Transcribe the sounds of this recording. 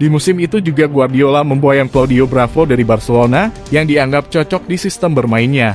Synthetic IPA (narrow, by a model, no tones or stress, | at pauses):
dimusɪmit̪ud͡ʒuɡaɡuardiolaməmboajaŋplawdiobɾafodaɾibarsəlona | jaŋdiaŋɡap̚t͡ʃɔt͡ʃɔk̚disist̪əmbərmaɪnɲa